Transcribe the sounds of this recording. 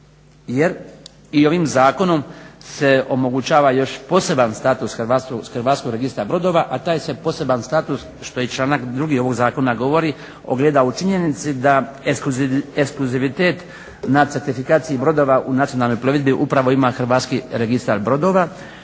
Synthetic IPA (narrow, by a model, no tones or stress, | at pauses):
jeɾ | io̞ʋimzaːko̞no̞mse̞o̞mo̞ɡut͡ʃaːʋajo̞ʃpo̞ːse̞banst̪aːt̪usxɾʋast̪osxɾʋaːt̪skoɡɾe̞ɡist̪aɾbɾo̞d̪o̞ːʋaʔat̪aːjsepo̞ːse̞banst̪aːt̪us | ʃt̪o̞jet͡ʃlˠaːnakd̪ɾuɡio̞ʋo̞ɡzaːko̞naɡo̞ʋo̞ɾi | o̰ɡleːd̪aut͡ʃiɲe̞nit̪sid̪aeekskluziʋit̪e̞ːt̪ | nat̪seɾt̪ifikaːt̪sijibɾo̞d̪o̞ːʋaʔunat̪sijo̞nalno̞jploʋid̪biʔupɾaʋo̞imaxr̩ɾ̩ʋaːt̪skiɾeɡist̪aɾbɾo̞d̪o̞ːʋa